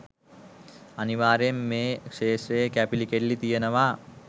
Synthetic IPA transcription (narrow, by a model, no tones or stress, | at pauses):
ɐniʋaːɾemːeːkʂeːʂɾeːkæpilikeɖlit̪ijɐnɐʋaː